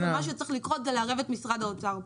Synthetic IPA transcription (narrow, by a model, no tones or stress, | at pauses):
emaʃ̬ut͡sʁiχlikʁot̪zelaʁevet̪misʁad̪aot͡saʁ